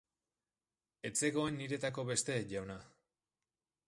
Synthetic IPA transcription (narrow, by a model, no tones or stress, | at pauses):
e̞t͡se̞ɣo̞enːiɾe̞t̪ako̞βe̞st̪e̞ʝawna